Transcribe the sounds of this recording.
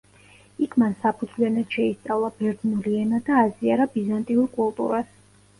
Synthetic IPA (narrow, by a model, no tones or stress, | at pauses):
ikʰmansapʰud̪zvlianat̪ʃɛist̪sʼavlˠabɛɾd̪nuliɛnad̪aːziaɾabizant̪ʼiuɾkʼulˠt̪ʼṵɾas